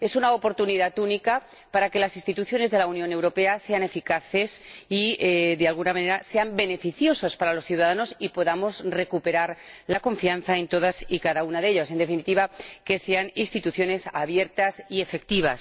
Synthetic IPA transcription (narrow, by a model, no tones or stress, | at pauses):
e̞sunaopo̞ɾt̪uniðat̪unika | paɾake̞lasinst̪it̪uθjo̞ne̞zðe̞launjõ̞ne̞wɾo̞pe̞ase̞ane̞fikaθe̞siðealɣunamãne̞ɾase̞ambe̞ne̞fiθjo̞sospaɾalo̞sθjuwð̞að̞ano̞sipo̞ðamo̞zre̞kupe̞ɾaɾlako̞ɱfianθae̞nt̪o̞ðasikaðaunaðe̞ʎase̞nd̪efinit̪iβake̞se̞aninst̪it̪uθjo̞ne̞saβje̞ɾt̪asie̞fe̞k̚t̪iβ̞as